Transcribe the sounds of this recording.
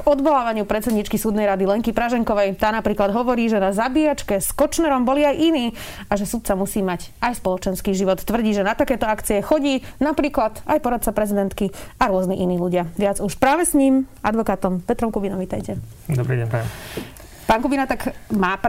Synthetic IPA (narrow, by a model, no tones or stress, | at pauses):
kɔd̪ʋɔlaːʋaɲɪupɾɛt̪t͡sɛd̪ɲit͡ʃkisuːd̪nɛjɾad̪ilɛŋkipɾaʒɛŋkɔʋɛjt̪aːnapɾiːklad̪ɦɔʋɔɾiːʒɛnazabiat͡ʃkɛskɔt͡ʃnɛɾɔmbɔliajʔiniː | aʒɛsut̪̚t͡samusiːmaɟajspɔlɔt͡ʃɛnskiːʒiʋɔt̪ːʋr̩ɟiːʒɛnat̪akɛːt̪ɔakt͡siɛxɔɟiːnapɾiːklad̪ajpɔɾat̪̚t͡sapɾɛzid̪ɛnt̪kiaɾʊɔzniʔiniːluɟɪaʋɪad͡zuʃpɾaːʋɛsɲiːm | a̰d̪ʋɔkaːt̪ɔmpɛt̪ɾɔmkubinɔmʋit̪ajcɛ | d̪ɔbɾḭɛ | paːŋkubinat̪akmaːp